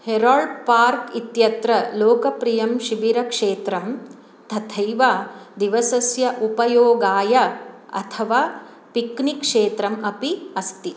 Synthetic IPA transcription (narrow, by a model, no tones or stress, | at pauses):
heɾoːɭpaːɾkit̪jɐt̪ɾɐloːkɐpɾijɐmʃiʋiɾɐkʂeːt̪ɾɐm | t̪ʰɐt̪ʰɐjʋaːd̪iʋɐsɐsjɐʔupɐjoːɡaːjɐɐ̰t̪ʰɐʋaː | piknikʂeːt̪ɾɐmɐpiɐst̪i